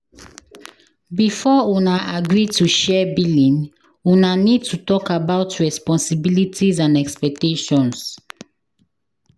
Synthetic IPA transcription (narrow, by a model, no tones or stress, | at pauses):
bifɔunaʔaɡɹitʰuʃɛbilĩn | unanid̚tʰutɔkabaʊtʰɹɛspɔ̃nsibilitʰizãnɛkspɛk̚teʃɔ̃ns